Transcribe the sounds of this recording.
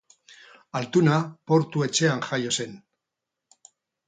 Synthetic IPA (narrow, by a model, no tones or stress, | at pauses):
alt̪unapo̞ɾt̪ue̞t͡ʃe̞aŋʝajo̞se̞n